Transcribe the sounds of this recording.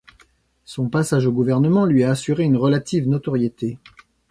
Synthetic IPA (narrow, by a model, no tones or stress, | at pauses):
sɔ̃pasaʒoɡuvɛʁnəmɑ̃lɥiaːsyʁeynʁəlat̪ʰivnɔt̪ɔʁjet̪e